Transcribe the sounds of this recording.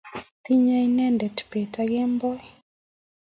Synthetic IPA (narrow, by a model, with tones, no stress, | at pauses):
t̪i˦ɲa˦inɛ˦ndɛ˨tpe˨ta˦ɡe˦mbɔ˦i